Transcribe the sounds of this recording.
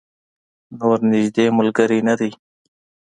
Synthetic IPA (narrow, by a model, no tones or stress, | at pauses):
noːɾnɪʒd̪eːmʊlɡəɾinad̪i